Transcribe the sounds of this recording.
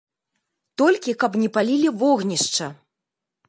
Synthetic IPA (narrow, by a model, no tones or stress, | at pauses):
t̪ɔlʲkʲikɐpnʲɛpalʲilʲivɔɣnʲiʂt͡ʂɐ